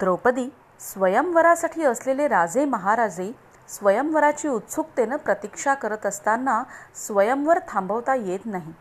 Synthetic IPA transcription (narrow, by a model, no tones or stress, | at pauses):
d̪ɾəwpəd̪iː | sʋəjəmʋəɾasaʈʰiːəsleleɾad͡zeməɦaɾad͡ze | sʋəjəmʋəɾat͡ɕiːut̪sʰuk̚t̪enəpɾət̪ikʂakəɾət̪əst̪anːasʋəjəmʋəɾt̪ʰãmbəʋt̪ajet̪naɦi